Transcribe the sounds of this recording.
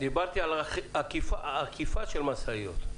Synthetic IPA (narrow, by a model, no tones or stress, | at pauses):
d̪ibaʁt̪ialakifaakifaʃelmasaijo̰t̪